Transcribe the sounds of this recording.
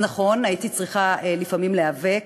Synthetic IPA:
naχo̞naitit͡sʁiχaelifamimleave̞

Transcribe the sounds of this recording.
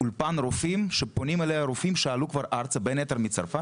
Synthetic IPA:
ulpanɾofimʃepo̞nimelejaɾofimʃealukvaɾʔaɾt͡sabenet̪eɾmit͡saɾfa

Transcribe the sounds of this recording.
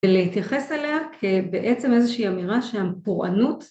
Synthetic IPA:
veleit̪jaχe̞seleakʰebe̞ʔe̞t͡seme̞zeʃiːamiʁaʃehapoʁʔa̰nut

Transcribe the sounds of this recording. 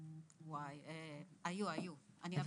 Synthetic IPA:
wajɛajuajuania

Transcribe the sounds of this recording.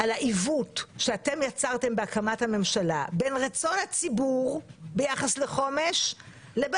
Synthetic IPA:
alaʔivutʃeat̪e̞mjat͡saʁt̪e̞mbeakamathame̞mʃala̰benʁat͡so̞nhat͡sibuʁbejaχasleχo̞me̞ʃ | leb

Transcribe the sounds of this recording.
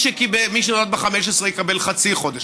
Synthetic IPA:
ʃekibemiʃ̬enolad̪beχameʃ̬esʁejekabe̞lχat͡siχo̞d̪eʃ

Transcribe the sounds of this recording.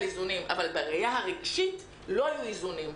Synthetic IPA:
izunimʔa̰valbeʁejaɦaʁeɡʃit | lo̞ajuizunim

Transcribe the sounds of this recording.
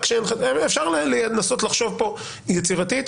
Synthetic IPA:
kʃenefʃaʁlelenaso̞t̪laχʃo̞vpo̞ | jet͡siʁat̪it̪

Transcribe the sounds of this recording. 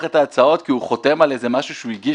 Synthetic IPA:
χe̞t̪aːt͡sao̞t̪kiuχo̞te̞male̞ze̞maʃuʃeuiɡi

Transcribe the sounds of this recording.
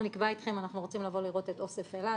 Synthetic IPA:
nikbait̪χe̞manaχnuʁo̞t͡simlavo̞liʁo̞tet̪o̞sefela

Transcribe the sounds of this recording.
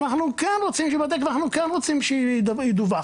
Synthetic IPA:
naχnukɛnʁot͡simʃɛbad̪eknaχnukɛnʁot͡simʃɛd̪id̪uva

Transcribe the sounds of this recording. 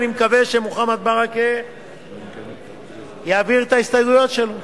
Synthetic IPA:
nimekaveʃemuχamat̪̚baʁake | jaːviʁt̪aist̪ajɡujo̞tʃelo

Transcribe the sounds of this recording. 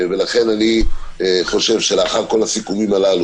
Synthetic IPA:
ve̞laχe̞nani | χo̞ʃe̞vʃe̞leaχaʁko̞lasikumimalalu

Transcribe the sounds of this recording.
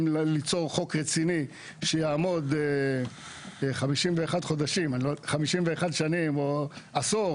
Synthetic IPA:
lit͡so̞ʁχo̞kʁet͡sini | ʃejaːmo̞d̪ | χamiʃimveːχad̪χo̞d̪aʃimaniloχamiʃimveeχad̪ʃanimoaso

